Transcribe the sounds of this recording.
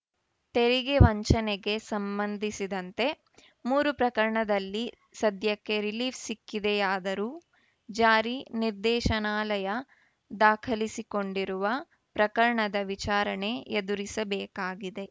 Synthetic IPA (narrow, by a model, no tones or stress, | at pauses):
t̪e̞ɾiɡeʋɐɲt͡ʃɐneɡe̞sɐmbɐnd̪ʱisid̪ɐnt̪e̞ | muːɾupɾɐkɐɾɐɳɐd̪ɐlːi | sɐd̪ʱjɐkːe̞ɾiliːʋsikːid̪ejaːd̪ɐɾuː | d͡ʒaːɾiniɾd̪ɛːʃɐnaːlɐjɐ | d̪aːkʰɐlisiko̞ɳɖiɾuʋɐ | pɾɐkɐɾɐɳɐd̪ɐʋit͡ʃaːɾɐne̞ed̪uɾisɐbɛːkaːɡid̪e̞